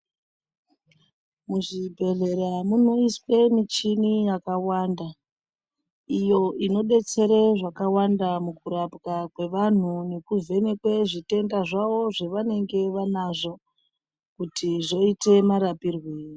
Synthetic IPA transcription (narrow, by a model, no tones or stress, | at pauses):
muʐibʱe̞ɮe̞ɾamuno̞iswe̞mit͡ʃinijakawanda | ijo̞ino̞ɓe̞t͡se̞ɾeʐakawandamukuɾapkakwe̞ʋan̤une̞kuve̞ne̞kwe̞ʐite̞ndaʐaʋo̞ʐeʋane̞ŋɡe̞ʋanaʐo̞ | kutʰiʐo̞ite̞maɾapirweːi